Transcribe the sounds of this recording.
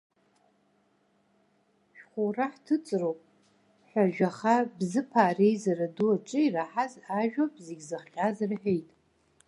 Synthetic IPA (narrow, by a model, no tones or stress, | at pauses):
ʃᶣχʷoraħtʰɨt͡sʼrowpʼ | ħʷᶣaʒᶣaχabzɨpʰaːrejzaraduaʈ͡ʂʼɨiraħazaʒᶣopʼzeɡʲzɨχχʲʼazarħᶣejtʼ